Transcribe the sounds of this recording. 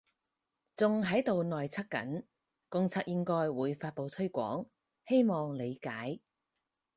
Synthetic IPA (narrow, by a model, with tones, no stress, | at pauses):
t͡sʊ˨ŋɦɐ˨˥jt̪o˨wnɔː˨jt͡sʰɐ˥k̚kɐ̰˨˥n | kʊ˧ŋt͡sʰaː˧˥k̚jɪ˥ŋkɔː˥jwuː˨˧jfaː˧t̚po˨wt̪ʰɵ˥ɥkʷɔ̰ː˨˥ŋ | he˥jmɔː˨ŋle˨˧jkaː˨˥j